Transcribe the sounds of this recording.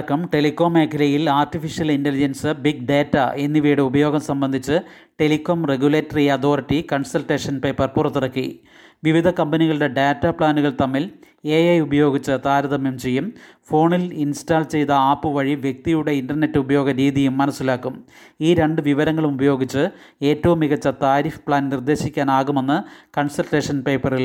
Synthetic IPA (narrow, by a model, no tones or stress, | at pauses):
kːɐmʈe̞likːo̞ːmːe̞ːkʰɐlɐjilaːrʈifiʂijɐlindelid͡ʑɐnsɨbiɡ̚ɖe̞ːtːɐe̞nːiʋijɽeubɐjo̞ːɡɐmsɐmbɐnd̪ʱit͡ɕːɨ | ʈe̞likːoːmre̞ɡjuleːtːɐriɐd̪o̞ːriʈːikɐɳsɐlʈeːʂɐnpe̞ːpːɐrpurɐt̪ːurɽɐkːḭ | ʋiʋid̪ʱɐkɐmbɐniɣɐɭuɽe̞ɖeːtːɐpɭaːnuɣɐɭt̪ɐmːil | ejɐjubɐjo̞ːɡit͡ɕːɨt̪aːɾɐðɐmjemt͡ɕe̞jːum | fo̞ːɳilinstaːlt͡ɕe̞jt̪ɐaːpːɨʋɐɻiʋjek̚t̪ijuɽe̞inɖɐrne̞tːɨubɐjoːɡɐɾiːðijumːɐnɐsːilaːkːum | iːɾe̞ɳɖɨʋiʋɐɾɐŋːɐɭumubɐjo̞ːɡit͡ɕːɨ | e̞ːtːɐʋumiɣɐt͡ɕːɐt̪aːɾiːfpɭaːnnird̪e̞ːɕikʲːaːnaːɣume̞nːɨkɐɳsɐlʈe̞ːʂɐnpe̞ːpːɐril